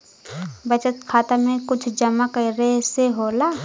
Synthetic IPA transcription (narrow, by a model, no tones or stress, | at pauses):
bət͡ʃət̪kʰaːt̪amẽkʊt͡ʃʰd͡ʒɐmakɐɾeseɦoːlaː